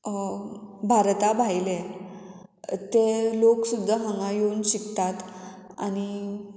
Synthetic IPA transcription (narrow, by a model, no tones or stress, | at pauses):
bʱaɾt̪abʱaile | t̪eloksud̪ʱːaɦəŋɡajonɕikt̪at̪ | a̰ni